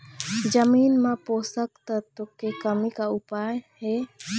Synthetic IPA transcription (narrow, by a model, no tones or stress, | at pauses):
d͡ʒəmiːnmãpoːsəkt̪əɾt̪okːekəmikaʊpaːjhɛ